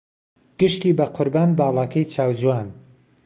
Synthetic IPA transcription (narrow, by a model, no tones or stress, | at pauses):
ɡ̥ɨʃt̪iːbɐqʰʊɾbaːnbaːlˠaːkʰɐjt͡ʃʰaːwd͡ʒuwaːn